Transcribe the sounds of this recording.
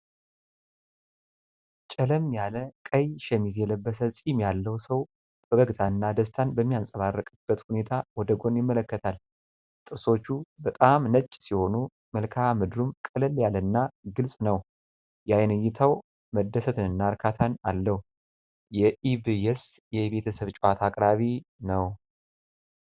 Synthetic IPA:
t͡ʃʼələmjaləkʼəjʃɛmizjɛləbːəs̬əsʼimjalːəwsəw | bəɡəɡt̪ʰaɨnːad̪əst̪ʰanbəmːijansʼəβarːəkʼɨb̥ːət̪hune̞t̪ʰawɔd̪əɡo̞njɪmːələkːət̪ʰal | t̪ʼɨso̞t͡ʃːubət̪ʼamnət͡ʃʼːsiho̞nu | məlkʰamɨd̪ɾumkʼɨləljalɨnːaɡɨlsʼnəw | jajnɨjːɪt̪ʰaw | məd̪ːəsət̪ʰɨnɨnːaɾkʰat̪ʰanalːəhu | jɛʔiβɨjɛsjɛbe̞t̪ʰəsəβt͡ʃʼwat̪ʰakʼɾaβinəw

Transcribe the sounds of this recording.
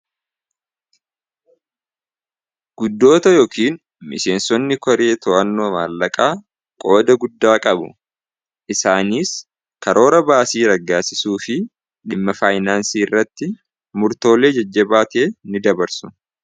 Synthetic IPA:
ɡ̥ʊd̪ːo̞ːt̪ɐjo̞ːkʰiːn | mɪ̰se̞ːnsɔnːɪkɔɾe̞ːt̪ɔʔɐnːo̞ːma̰ːlːɐkʼaː | kʼo̞ːd̪ɐɡʊd̪ːaːkʼɐbʊ̰ | ʔɪsaːniːs | kɐɾo̞ːɾɐbaːsiːɾɐɡːaːsɪsuːfɪ | ᶑɪmːɐfaːjnaːnsiːɪrːɐt̪ːɪ | mʊɾt̪o̞ːleːd͡ʒɐd͡ʒːɐbaːt̪eːnɪd̪ɐbɐɾsʊ̥

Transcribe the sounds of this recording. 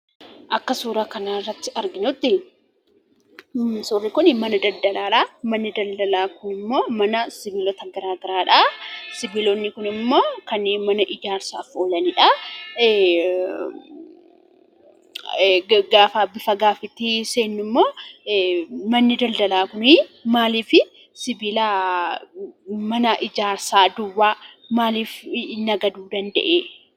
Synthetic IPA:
ʔɐkːɐsuːɾakɐnaːɪrːɐt̪ːɪɐɾɡɪnʊt̪ːɪ | sʊrːɪkʊnɪmɐnɐd̪ɐld̪ɐlaːᶑamɐnːɪd̪ɐld̪ɐlaːkʊnɪmːo̞ːmɐnɐsɪbɪlɔt̪ɐɡɐɾaːɡɪɾaːᶑasɪbɪlɔnːɪkʊnɪmːo̞ːkɐnːeːnmɐnɐʔɪd͡ʒaːɾsaːfoːlɐnɪᶑɐ | ɡaːfaːbɪfɐɡaːfɪt̪ːɪseːnːʊmːo̞ː | mɐnːɪd̪ɐld̪ɐlaːkʊnɪmaːliːfɪ | sɪbila | mɐnɐʔɪd͡ʒaːɾsaːd̪ʊwːaː | maːliːfnɐɡɐd̪uːd̪ɐnd̪ɐ̰ʔeː

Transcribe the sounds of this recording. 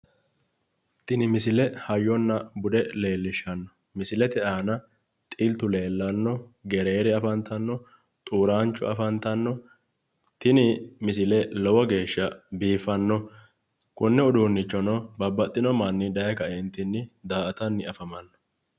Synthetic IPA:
t̪ɪnɪmɪsɪlɛhɐjːɔnːɐbʊd̪ɛle̞ːlːɪʃːɐnːɔ̥ | mɪsɪlɛt̪ɛʔaːnɐ | t̪ʼɪlt̪ʊle̞ːlːɐnːɔɡɛɾe̞ːɾɛɐfɐnt̪ɐnːɔ | t̪ʼuːɾaːnt͡ʃːʊ̰ɐfɐnt̪ɐnːɔ | t̪ɪnɪmɪsɪlɛlɔwɔɡe̞ːʃːɐbiːfɐnːɔ | kʊnːɛʊd̪uːnːɪt͡ʃːɔnɔbɐbːɐt̪ʼːɪnɔmanːɪd̪ɐjɐkɐʔɛnt̪ɪnːɪd̪aːʔɐt̪ɐnːɪɐfɐmɐnːɔ̥

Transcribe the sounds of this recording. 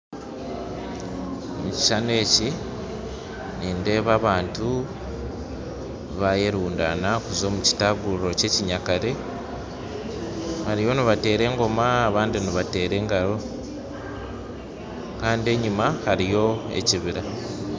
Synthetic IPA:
muci̥ʃane̞ːci | niːnde̞ːβaβaːntu | βaje̞ɾuːnda̰nakuzo̞ːmuci̥taɡuɾo̞ce̞ːciɲakaɾe̞ | haɾijo̞niβate̞ːɾe̞ːŋɡo̞maːβaːndiniβate̞ːɾe̞ːŋɡaɾo̞ | kaːndie̞ɲimahaɾijo̞e̞̰ciβiɾa

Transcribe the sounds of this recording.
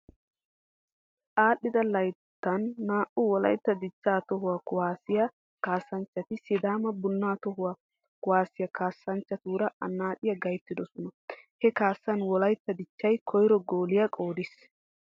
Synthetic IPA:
ʔaːɗːɪd̪ɐlɐjt̪ːɐnːaːʔʊwɔlɐ̰jt̪ːɐd̪ɪt͡ʃːaːt̪ɔɦʊwaːkʊwaːsɪjɐ | kaːsːɐnt͡ʃːɐt̪ɪsɪd̪aːmɐbʊnːaːt̪ɔɦʊwa | kʊwaːsɪjɐkaːsːɐnt͡ʃːɐt̪uːɾɐʔɐnːaːᶑɪjɐɡɐjt̪ːɪd̪ɔsɔnɐhɛkaːsːɐnwɔlɐjt̪ːɐd̪ɪt͡ʃːɐjkʰɔjɾɔɡoːlɪjɐkʼo̞ːd̪ɪs

